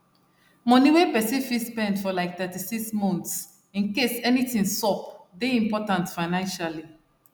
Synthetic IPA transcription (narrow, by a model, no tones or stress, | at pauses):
mɔ̃niwepɛsifispɛ̃ndfɔlaɪk̚θɛtisiksmɔ̃nts | ĩnkesɛnitĩŋsɔpdeĩmpɔtãntfaɪnãnʃali